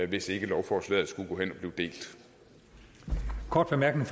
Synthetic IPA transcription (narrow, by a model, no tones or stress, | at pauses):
ʋe̝se̝ɡ̥əlɒʊfɒːslɛ̰ːð̩ˠsɡ̥uɡ̥ɔ̽ːɦen̰ɒ̽b̥liːʊd̥e̝̰ːld̥ | kʰɒːd̥ʋ̥emæɐɡ̥nɪŋ